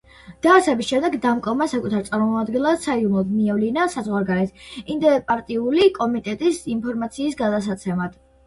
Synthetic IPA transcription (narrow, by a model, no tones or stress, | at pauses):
d̪̥aːsɛbisʃɛmd̪ɛɡd̪amkʼɔmasakʼut̪ʰaɾt̪sʼaɾmɔad̪ɡɛlˠassaid̪umlˠad̪miɛvlinasazʁwaɾɡaɾɛt̪ʰimd̪ɛpʼaɾt̪ʼiulikʼɔmit̪ʼɛt̪ʼisinpʰɔɾmat̪sʰiːsɡad̪ats̬at̪sʰɛmad̪̥